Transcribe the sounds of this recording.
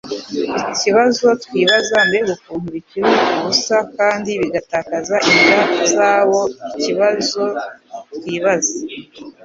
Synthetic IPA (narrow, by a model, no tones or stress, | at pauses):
iiciβazo̞twiːβazambeeɡukuːmbikiɾiuɡusakaːndiβiɡataːkazaʔindazaːβo̞iciβazo̞twiːβaza